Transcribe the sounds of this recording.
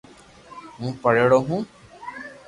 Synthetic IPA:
mũːpəɽeːɽoːɦũː

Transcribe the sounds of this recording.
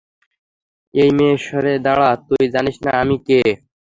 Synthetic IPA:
ejmeʃɔɾed̪aɭat̪ujd͡ʑaniʃnaamike

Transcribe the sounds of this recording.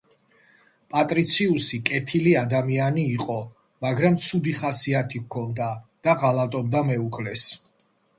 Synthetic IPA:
pʼat̪ʼɾit̪sʰiusikʼɛt̪ʰiliad̪amianiːqʼɔ | maɡɾamt̪sʰud̪iχasiat̪ʰikkʰɔnd̪ad̪̥aʁalˠat̪ʼɔb̚d̪amɛukʰlɛs

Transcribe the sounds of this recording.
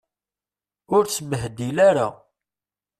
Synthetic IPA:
ʊɾt͡sːməɦd̪ilaɾa̰

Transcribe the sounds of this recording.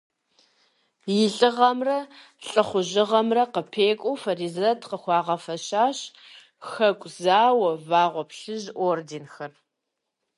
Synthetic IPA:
jɪɬʼɨʁɐmrɐ | ɬʼχʷʊʑɪʁɐmrɐqəpʰeːkʷʼowfɐrizɐtʰqəxʷɑːʁɐfɐɕaːɕ | xɐkʷʼzaːwɐvaːʁʷɔpɬɨʑʔoːrdinxɐr

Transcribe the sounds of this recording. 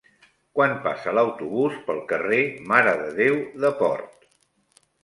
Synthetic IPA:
kwanpa̰sələwt̪uβuspəlˠkəremaɾəðəðewðəpɔ̰ɾt̪

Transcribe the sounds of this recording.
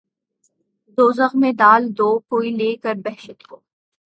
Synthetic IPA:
d̪oːzəɣmẽd̪aːld̪oːkoːileːkəɾbɛɦʃət̪koː

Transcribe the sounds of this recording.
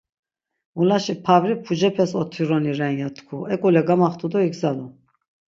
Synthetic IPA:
mulaʃipʰavɾipʰud͡ʒɛpʰɛsɔt̪ʰiɾɔniɾɛnjat̪ʰkʰuʔɛkʼulɛɡamaχt̪ʰud̪ɔiɡzalu

